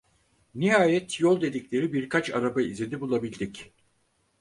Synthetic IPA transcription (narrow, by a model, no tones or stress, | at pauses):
niɦaːjɛt̪jolˠd̪e̞d̪iclʲe̞ɾibiɾkʰat͡ʃa̰ɾabaizlʲed̪ibulˠabilʲd̪ic